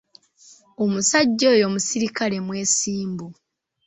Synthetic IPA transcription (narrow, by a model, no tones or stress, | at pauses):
omusaɟːo̞ːjo̞ːmusiɾikale̞mwe̞ːsiːmbu